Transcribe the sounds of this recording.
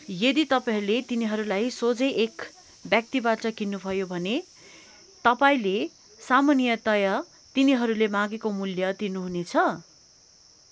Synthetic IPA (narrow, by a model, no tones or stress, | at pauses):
jʌd̪it̪ʌpalet̪iniɦʌɾulajsod͡zeʔek | bjak̚t̪ibaʈʌkinːubʱʌjobʱʌne | t̪ʌpaĩle | samʌnijʌt̪ʌjʌ | t̪iniɦʌɾulemãɡekomuljʌd̪inuɦunet͡sʰʌ